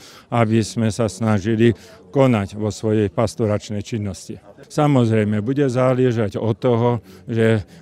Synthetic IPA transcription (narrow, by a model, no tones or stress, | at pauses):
abizmɛsasnaʒili | kɔnaɟʋɔsʋɔjɛjpast̪ɔɾat͡ʃnɛjt͡ʃinːɔscisamɔzɾɛjmɛbuɟɛzalɪɛʒaɟɔt̪ːɔɦɔʒɛ